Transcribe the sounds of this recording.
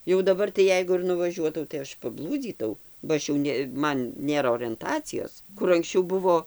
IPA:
jɛʊ dɐˈbɐr tɐɪ ˈjɛɪɡʊ ɪr nʊʋɐˈʒʲuɔtɐʊ tɐɪ ˈɐʃ pɐˈblˠuːd͡zʲiːtɐʊ bɐ ˈɐʃ jɛʊ nʲɛ ˈmɐn ˈnʲeːrɐ oːrʲɛnˈtɑːt͡sʲɪjoːs ˈkʊr ɐŋksʲˈt͡ʃʲɛʊ ˈbʊʋoː

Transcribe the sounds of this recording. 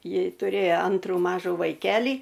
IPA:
ˈjɪ tʊˈrʲeːjoː ˈɐntruː ˈmɑːʒuː ʋɐɪˈkʲæːlʲiː

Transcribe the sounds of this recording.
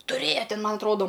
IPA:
tʊˈrʲeːjɛ ˈtʲɪn ˈmɐn ɐtˈroːdoː

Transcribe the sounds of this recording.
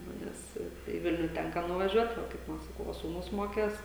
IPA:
ˈnʊ ˈnʲɛs tɐɪ iː ˈʋʲɪlʲnʲʊ ˈtʲɛŋkɐ nʊʋɐˈʒʲuɔt ˈʋɐ kɐɪp ˈʋɐ sɐˈkɐʊ ˈʋɐ suːˈnʊs ˈmoːkʲeːs

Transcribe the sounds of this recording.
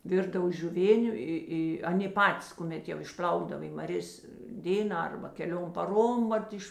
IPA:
ˈʋʲɪrdɐw ʒʲʊˈʋʲeːnʲʊ ˈɪ ˈɪ ˈɑːˌnʲeː ˈpɑːtʲɪs kʊˈmʲɛt jɛʊ ɪʃʲˈpʲlʲɐʊɡdɐw ɪ mɐˈrʲeːs ˈdʲeːnɑː ˈɐrbɐ kʲɛˈlʲoːm pɐˈroːm ˈʋɐt ɪʃ

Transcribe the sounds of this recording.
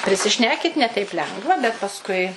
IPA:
pʲrʲɪsʲɪˈʃʲnʲæːkʲɪtʲ nʲɛ tʲɛɪp ˈlʲɛŋɡʋɐ bʲɛt pɐsˈkʊɪ

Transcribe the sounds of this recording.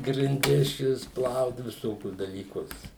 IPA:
ɡrʲɪnʲˈdʲɪs ˈt͡ʃʲɛ ʋʲɪs ˈplˠɐʊt ʋʲɪˈsoːkʲʊs dɐlʲiːˈkʊs

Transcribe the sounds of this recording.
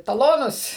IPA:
tɐˈlˠoːnʊs

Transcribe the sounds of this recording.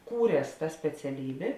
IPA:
ˈkuːrʲiɛs tɐ sʲpʲɛt͡sʲɛˈlʲiːbʲeː

